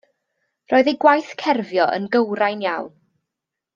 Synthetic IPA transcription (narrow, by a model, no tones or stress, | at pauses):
roːɨðejɡwajθkʰɛrvjɔʔə̰nɡəwɾajnjawn